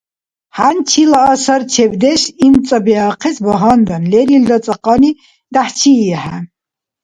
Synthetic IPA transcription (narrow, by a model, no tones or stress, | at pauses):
ħant͡ʃʰilaːsɐɾt͡ʃʰɛbd̪ɛʃint͡sʼɐbɛaqʰɛsbɔɦand̪anlɛɾild̪at͡sʼɐqʼɑni | d̪̥aħt͡ʃʰiɛħa